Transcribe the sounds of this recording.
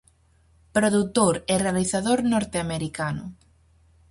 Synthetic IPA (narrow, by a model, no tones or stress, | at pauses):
pɾoðut̪oɾerealiθaðoɾnɔɾt̪eameɾikanʊ̰